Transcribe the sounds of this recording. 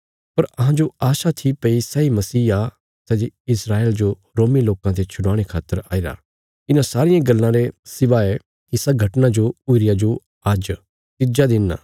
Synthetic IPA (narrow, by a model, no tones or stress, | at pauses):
pɐɾɐɦãd͡ʒoaːʃat̪ʰipɐisɛimɐsiːa | sɛːd͡ʒ̪eɪsɾaːeːld͡ʒo | ɾoːmiloːkãt̪ʰet͡ʃʰʊɽãːɽ̃ekʰaːt̪ːəɾa̰ːiɾa̰ː | ɪnãsaːɾɪjãɡɐlːãɾesɪʋaɛ | kisɐɡʱɐʈnad͡ʒoʊiɾɪjad͡ʒo | aːd͡ʒ | t̪ɪd͡ʒad̪ɪnːa̰ː